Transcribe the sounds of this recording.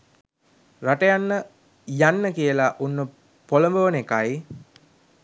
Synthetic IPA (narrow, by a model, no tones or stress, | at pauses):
raʈəjanːə | janːəkijəlaʔunːə | poləmbəʋənekaj